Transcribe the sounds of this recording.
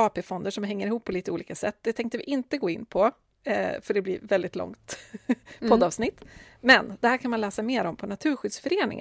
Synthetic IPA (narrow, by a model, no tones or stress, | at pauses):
ɑːpeːfɔnd̪əʂɔmɦɛŋːəɾɪhuːpʰːɔliːt̪əuːliːkasɛt̪ːd̪ɛt̪ʰɛŋk̚t̪əvɪ̰ʔɪnt̪əɡoːɪnːpʰɔ | fœɖɛblɪ̰ɾvɛld̪ɪt̪lɔ̰ŋt̪ | pʰɔd̪ɑːvsnɪt̪ːmɛnd̪̥ɛhæːɾkʰanmanlɛːsameːɾɔmpʰɔnat̪ʰʉ̟ːɾɧʏd̪sfœɾeːnɪ̰ŋ